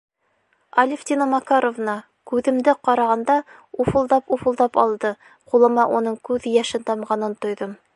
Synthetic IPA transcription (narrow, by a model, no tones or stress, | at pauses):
ɐlʲɪft̪ʲinomɑkaɾovnɑ | kʉðɘ̆md̪ɘqɑɾɑʁɑnd̪ɑ | ufɤ̆lˠd̪ɑpufɤ̆lˠd̪ɑpɑ̰lˠd̪ɤ | qulˠɤ̆mɑʔunɤɴkʉðjæʃɘnt̪ɑmʁɑnɤnt̪ŏjðɤm